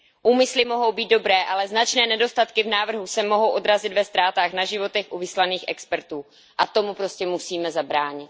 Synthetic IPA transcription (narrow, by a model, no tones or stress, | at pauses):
ʔuːmɪslɪmo̞ɦo̞wbiːd̪̚do̞bɾɛːʔalɛznat͡ʃnɛːnɛdo̞st̪at̪kɪvnaːvr̩ɦusɛmo̞ɦo̞wʔo̞d̪ɾazɪd̪vɛst̪ɾaːt̪aːxnaʒɪvo̞t̪ɛxʔuvɪslaniːxʔɛ̰kspɛɾt̪uː | ʔat̪o̞mupɾo̞scɛmusiːmɛzabɾaːɲɪt̪